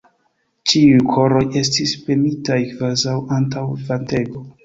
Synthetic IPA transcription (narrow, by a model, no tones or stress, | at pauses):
t͡ʃiujkʰo̞ɾo̞je̞stispe̞mitajkvazawantawvante̞ɡo̞